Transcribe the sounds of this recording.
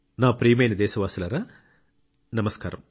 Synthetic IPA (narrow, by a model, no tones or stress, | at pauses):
naːpɾiːmejnɐd̪eːsɐʋaːsɐlɐɾɐ | nɐmɐskaːɾɐm